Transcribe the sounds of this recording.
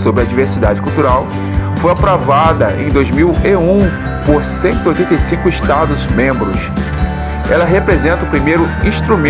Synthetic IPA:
sobɾɪɐd͡ʒiveɾsid̪ad͡ʒɪkuwt̪uɾaw | fojapɾovad̪ɐḛ̃j̃d̪ojzmiweũ | poɾsẽnt̪ʊojt̪ẽnt̪ejsĩŋkʊiʃt̪ad̪ʊzmẽmbɾʊs | ɛ̰lɐɦepɾezẽnt̪ɐupɾimejɾʊĩʃt̪ɾumẽ

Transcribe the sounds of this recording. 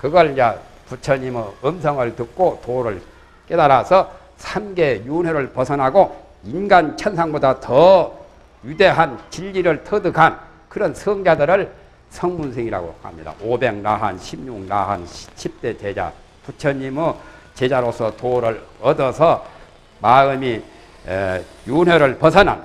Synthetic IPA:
kɯɡʌɭɲa | put͡ɕʰʌɲimɯɯmsʰʌŋɯɭtɯk̚k͈otoɾɯɭ | k͈e̞daɾasʰʌ | sʰamɡe̞junweɾɯɭpʌsʰʌnɦaɡo | inɡant͡ɕʰʌnsʰaŋbodatʌ | jude̞ɦant͡ɕiʎːiɾɯɭtʰʌdɯɡan | kɯɾʌnsʰɯŋd͡ʑadɯɾɯɭ | sʰʌŋmunsʰeŋiɾa̰ɡo̰ha̰mɲida̰obe̞ŋnaɦa̰nɕʰimɲuŋna̰ɦa̰nɕʰip̚t͈e̞t͡ɕe̞d͡ʑa̰ | tut͡ɕʰʌɲimɯt͡ɕe̞d͡ʑaɾosʰʌtoɾɯɭʌdʌsʰʌ | maɯmḭ | junweɾɯɭpʌsʰʌnɦa̰n

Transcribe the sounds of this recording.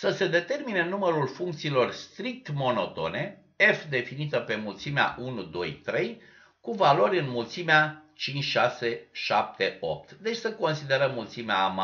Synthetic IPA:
səse̞d̪e̞t̪e̞rminenuməɾulfuŋkt̪siːlo̞rst̪ɾik̚t̪mo̞no̞t̪o̞̰ne̞ | e̞fd̪e̞finit̪əpe̞mult̪simea̰ʔunud̪o̞̰jt̪ɾe̞j | kuvalo̞ɾʲɨnmult̪simeat͡ʃint͡ʃʲʃase̞ʃap̚t̪e̞o̞̰p̚t̪d̪e̞t͡ʃʲsəko̞nsid̪e̞ɾəmːult̪simeaːma

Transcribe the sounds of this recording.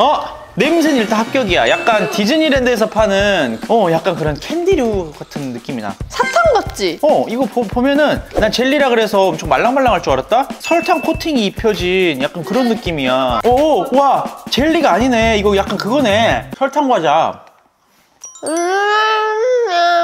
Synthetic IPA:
ʌ | ne̞mus̬ʰeniɭt͈anɦap̚k͈jʌɡija̰jak̚k͈ankid͡ʑɯɲiɾende̞ːs̬ʰʌpʰanɯnʌjak͈ankɯɾʌnkʰendiɾjoɡatʰɯnːɯk͈imida̰sʰatʰaŋɡʌt̚t͡ɕ͈iʌiɡʌppomjʌnɯnnat͡ɕe̞ɭːiɾaɡɯɾe̞sʰʌomt͡ɕʰoŋmaɭːaŋmaɭːaŋaɭt͡ɕ͈oaɾat̚t͈asʰʌɭtʰaŋkʰotʰiŋiːpʰjʌd͡ʑinjak͈̚ankɯɾʌnːɯk͈imiaowat͡ɕe̞ʎːiɡaːɲine̞iɡʌjak͈ankɯɡʌne̞sʰʌɭtʰaŋɡwad͡ʑam | ɯ

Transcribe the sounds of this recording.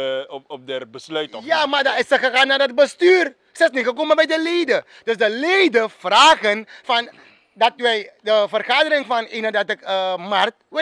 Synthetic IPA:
ɔp̚dɛrbəslœɥtjamadaɪsəxəxaːnːardɔt̚bəstyːr | səɪsnixək̬omənbɛjdəleːdə | d̥øsdəleːdəfraːɣənfɑn | dɑtʋɛjdəfərxaːdəɾɪŋfɑninədɑtəkəmart̚ʋɪ

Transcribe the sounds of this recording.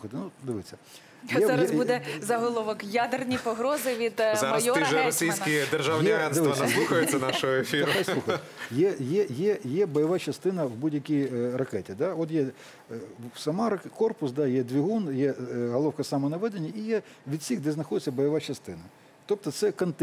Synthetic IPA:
xɐt̪ɪnud̪ɪʋɪt͡sʲːɐ | jɛzaɐsbud̪ɛzɐɦɔlˠɔʋɔkjad̪ernʲipɔɦɾɔzɪʋʲid̪zɾmɐɐj̪sɔt̪ːɪʒɛɾɔsʲijsʲkʲid̪erʒawnjʲiɐɦɛnɪʋ̪ɪɐnɐsluxɐjʊsʲɐnɑʃɔɦɔefʲiɾʊxajslˠuxɐjɛjɛjɛjɛbɔjɐʋɑt͡ʃɐst̪ɪnɐwbudʲjɐkʲijrɐkɛtʲid̪ɑɔt̪jɛ | sɐmɑɾɐkɔrpʊsd̪ɑjɛd̪ʲʋʲiɦunjɛɦɔlˠɔwkɐsɑmɔnɐʋɛd̪enʲːɐijɛ | ʋʲid̪̥sʲiɣd̪ɛznɐxɔd̪ɪt͡sʲːɐbɔjɐʋɑt͡ʃɐst̪ɪnɐ | t̪ɔp̚t̪ɔt̪sɛkɐnt̪

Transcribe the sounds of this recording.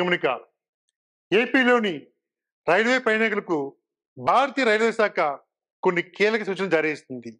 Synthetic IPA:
ɐmɐnika̰ː | eːpiːlo̞ːni | ɾɐjɽʋeːpɾɐjnɐkulɐku | bʱaːɾɐt̪iːɐɾɐjlʋeːsaːkɐ | konːikiːlɐkɐsuːt͡ʃɐnɐmd͡ʒaːɾjɐist̪und̪i

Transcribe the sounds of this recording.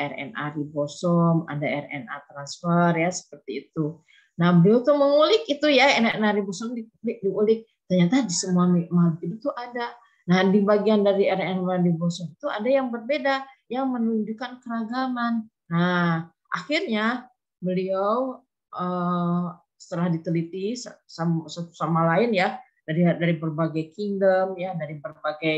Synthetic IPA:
ʔɛrɛ̰nʔa̰ɾibosɔma̰daɛrɛ̰na̰t̪ɾansfərjasə̥pərt̪iːt̪u | nahbəliawt̪uməŋulɪkit̪ujaɛrɛnaɾibɔsɔmdilɪk̚diulɪk̚ | t̪ərɲat̪adisəmuamimat̪idut̪uʔada | nahdibaɡiandaɾiɛrɛnadibɔsɔmit̪uadajaŋbərbeda | jaŋmənliɲd͡ʒukankəɾaɡaŋanː | a | ʔa̰xirɲa | bəliaw | ʔə | sə̥t̪əlahdit̪əlit̪issasat̪u̥samalaɪnja | daɾidaɾibərbaɡajkiŋdəmjadaɾibərbaɡaj

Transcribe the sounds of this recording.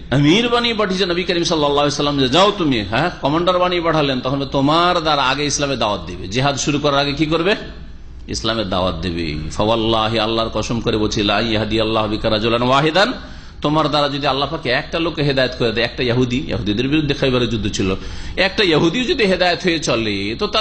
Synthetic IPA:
əmiɾbanipaʈʰit͡ɕʰenəbikəɾimsɔlːalːaɦlesɐlːamd͡ʑad͡ʑaot̪umiɦɛ̃kɔmaɳɖaɾbanipaʈʰalent̪ɔkʰonbet̪omaɾd̪aɾaaɡeislamed̪aoat̪̚d̪ebed͡ʑiɦad̪ʃuɾukɔɾaɾaɡekik̬oɾbe | ḭslamed̪a̰wa̰t̪̚d̪ebḛfʰawalːaɦialːaɾkɔʃomkoɾebot͡ɕʰilaɐ̃j̃jɦɐd̪ijalːaɦbikaɾad͡ʑolanwaɦid̪an | t̪omaɾd̪aɾad͡ʒod̪ialːapʰakeɛk̚ʈalokːeɦed̪ajat̪koɾed̪aɛk̚ʈajɐɦud̪ijɐ̰ɦud̪id̪eɾbiɾud̪ʱːekʰajbaɾed͡ʑud̪ʱːot͡ɕʰiloɛk̚ʈajɐɦud̪iod͡ʒod̪iɦed̪ajat̪ɦojet͡ɕɔlet̪ot̪a

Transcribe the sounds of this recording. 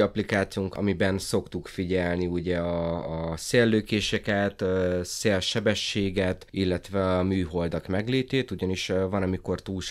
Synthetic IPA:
ɒplikaːt̪siuŋkɒ̰mibɛnso̞kt̪ukfiɟɛlniuɟɛɒːseːlːøːkeːʃɛkɛt̪ːseːlʃɛbɛʃːeːɡɛt̪ilːɛt̪ʋɛɒmyːɦo̞ld̪ɒkmɛɡleːt̪eːt̪uɟɒniʃvɒnɒmiko̞rt̪uːlʃ

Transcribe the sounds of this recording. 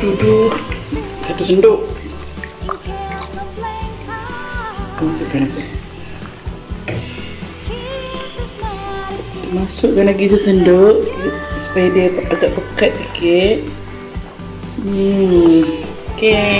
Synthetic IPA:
t̪udʊhsat̪usəndʊʔ | t̪ərmasʊʔkan | t̪əmasʊʔkanlaɡit̪əsəndʊʔsu̥pajadiaaɡaʔpəkat̪̚sikɪt̪̚ | ke

